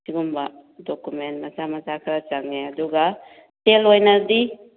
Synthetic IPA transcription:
siɡumbadɔkumentmasamat͡ʃakʰɾat͡ʃaŋeaduɡa | telojnadi

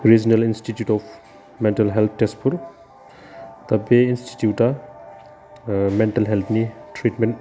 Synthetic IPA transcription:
ɾid͡ʒnɐlinsʈitjuʈɔfʰ | meɳʈɐlɦelt̪̚ʰʈespʰuɾ | t̪ɐpeinsʈi̥tjuʈa | meɳʈɐlɦelt̪ʰniʈʰɾiʈmẽnʈ

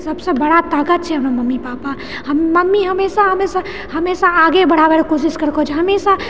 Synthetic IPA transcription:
sɐbsebɐɽat̪aːkət̪̚t͡ʃʰɛɦɐmnamɐmːipaːpa | hɐmːɐmːiɦɐmeːsaɦɐmeːsa | hɐmeːsaaːɡebɐɽ̤aːʋeɾkoːʃ̬ɪʃkɐɾkod͡ʒʰɦɐmeːsa

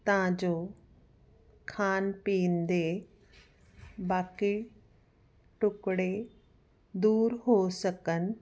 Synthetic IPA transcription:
t̪ɐʋ̤ãd͡ʑoː | kʰaːnpiːnd̪e | baːki | ʈʊkɽe | d̪uːɾɦosəkənɪ̆

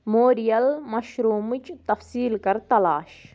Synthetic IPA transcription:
moːɾijɐlmɐʃɾuːmɨt͡ʃt̪ɐfsiːlkɐɾt̪ɐlaːʃ

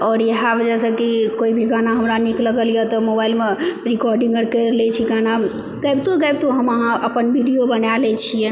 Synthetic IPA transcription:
ɔɾjəɦabd͡ʒɛsəkikoibʱiɡanaɦəmɾanikləɡəlijat̪ɔmobailmeɾikɔɾɖĩŋɡəɾkəɾlɛt͡ʃʰiɡana | kajbt̪okajb̚t̪oɦəməɦãəpənbʱiɖijobənjalɛt͡ʃʰijɛ

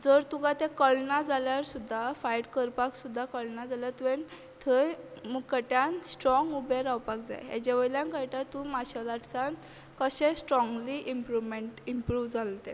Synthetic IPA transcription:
d͡zəɾt̪ukat̪ɛ̃kəɭnad͡zaljaɾsud̪ʱːafajʈkəɾpaksud̪ʱːakəɭnad͡zaljat̪uʋẽn | t̪ʰə | muɡkəʈjansʈɾɔŋɡubeɾawpakd͡za̰jɦḛd͡ʑeʋəjljãŋkəjʈ̪at̪ũmaɕalaʈsan | kəɕẽsʈɾɔŋɡliʔimpɾumeɳʈimpɾuːʋd͡zalt̪e

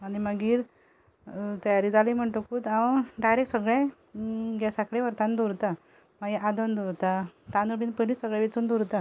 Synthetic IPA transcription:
aɽiməɡiːɾ | t̪əjaɾid͡zalijm̤əɳʈokuːt̪ãwɖajɾeksəɡɭɛ̃ | ɡasakɭẽʋəɾt̪ãnd̪oɾt̪a | maɡiʔad̪ənd̪oɾt̪at̪anuɽiːnpəlisəɡɭɛ̃ʋet͡suːnd̪uɾt̪a

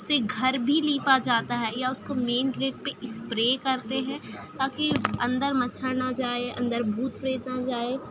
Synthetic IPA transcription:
ʊseɡʱɐɾbʱiliːpad͡ʒaːt̪aɦɛjaʊskomeːnɡɾeːʈ̚peʔɪspɾeːkɐɾt̪eɦɛ̃t̪aːkiɐ̃nd̪əɾmɐtːʃʰanad͡ʒaːeʔɐ̰̃nd̪əɾbʱuːt̪̚pɾeːt̪nad͡ʒaːeː

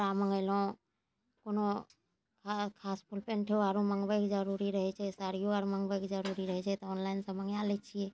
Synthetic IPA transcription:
ɾaməŋɡəlõ | kono | kakʰaːspʰulpenʈʰeoaɾũməŋʋejkd͡ʒəɾuɾiɾəɦɛt͡ʃʰɛsaɾijoaɾməŋɡbekd͡ʒəɾuɾiɾəɦɛt͡ʃʰɛt̪ɔonlaɪnsəməŋjalet͡ʃʰie

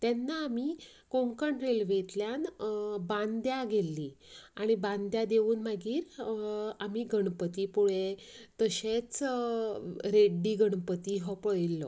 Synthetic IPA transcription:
t̪jɛnːaːmikõŋkəɳɾelʋet̪ljanbãnd̪jaɡelːiaɽ̃ibãnd̪jad̪eʋuːnmaɡiːɾ | amiːɡʱəɳpət̪iːpuɭet̪əɕet͡s | ɾeɖːiːɡəɳpət̪iɦɔpəɭilːɔ̰

